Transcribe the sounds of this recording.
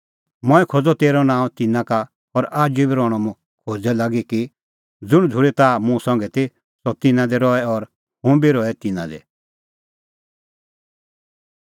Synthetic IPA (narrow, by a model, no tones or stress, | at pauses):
mɔ̃ɛkʰod͡zɔt̪eːɾɔnãːũt̪ɪnãka | ɔɾaːd͡ʒubiɾɔɽ̃ɔmũ | kʰod͡zɛlaːɡiki | d͡zʊɽ̃d͡zʱʊɽɛt̪aːmũsɔ̃ŋɡɛt̪i | sɔt̪ɪnãd̪ɛɾɔɛɔɾ | ɦũbiɾɔɛt̪ɪnã̰d̪ɛ̰